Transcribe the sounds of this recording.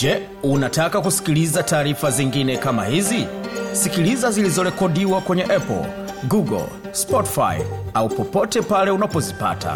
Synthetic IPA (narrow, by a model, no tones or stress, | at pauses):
d͡ʒɛ | unatakakusi̥kilizataːɾifaziŋɡinɛkama̰hizisikilizazilizɔɾɛkɔdiwakwɛɲɛʔɛpɔ̰l | ɡuɡɔ̰l | spɔti̥fa̰jaupɔpɔtɛpalɛunapɔzipa̰ta̰